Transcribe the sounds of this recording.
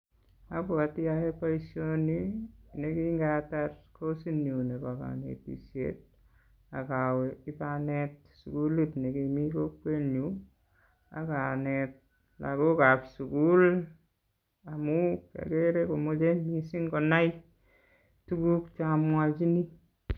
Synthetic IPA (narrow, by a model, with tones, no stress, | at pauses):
a˦pʊ˨a˨ti˦jahe˦paisjonineki˦ŋɡatarko˦si˦nju˨ne˨paka̰nḛ˨tḭsjḛt̚ | a˨kawɛi˦panɛt̚ | su˨ku˦lu˦tne˨kimi˦kokwe˦nu | a̰˨kanɛt̚ | la̰˨ko˦ka˨psuku˦l | amu˦kḛ˨keɾeko˨mo˦d͡ʒe˦mi˦si˦ŋɡɔ˨na˦i | tu˦ku˦k̚t͡ʃamwat͡ʃi˦ni˦